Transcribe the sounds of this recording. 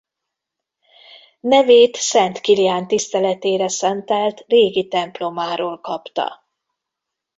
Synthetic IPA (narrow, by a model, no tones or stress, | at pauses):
nɛveːt̪sɛnt̪kilijaːnt̪ist̪ɛlɛt̪eːɾɛsɛnt̪ɛlt̪reːɡit̪ɛmplo̞maːɾoːlkɒpt̪ɒ̰